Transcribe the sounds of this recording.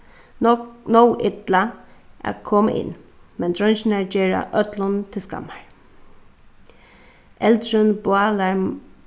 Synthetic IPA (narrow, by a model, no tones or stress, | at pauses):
nowʔɪt̪laʔa̰kʰɔːmə̰ʔɪ̰nːmɛnd̪ɹœnɕnaɹd͡ʒeːɹa̰ʔœt̪lʊnt̪ʰɪlska̰mːaɹ | ʔɛlt̪ɹənbwaːlaɹ